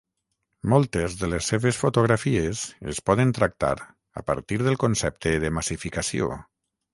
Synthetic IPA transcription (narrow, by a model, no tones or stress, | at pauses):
mɔlˠt̪ezðələsːeβesfot̪oɣ̞ɾafiezḛspɔðənt̪ɾak̚t̪a̰ɾ | ə̰pə̰ɾt̪iɾðəlˠkonsɛp̚t̪əðəmasifikasio̰